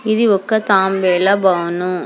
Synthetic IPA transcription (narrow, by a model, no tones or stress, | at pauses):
ɪðɯɔkːɐt̪aːmbeːlabaːʋɐnʊ̃